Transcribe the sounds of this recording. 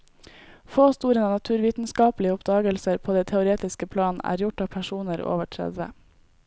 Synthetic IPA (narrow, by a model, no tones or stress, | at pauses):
foːst̪uːɾənɑːnɑt̪ʰʉːɾʋiːt̪n̩skɑːplɪəʊpd̪ɑːɡəlsəɾpʰoːd̪ɛɪt̪ʰɛʊɾeːt̪ɪskəpʰlɑːnn̩ʔæ̰ːɾjʊʈɑːʋpʰæʃuːnəɾo̰ːʋəʈʰɾɛ̰d̪ʋə̰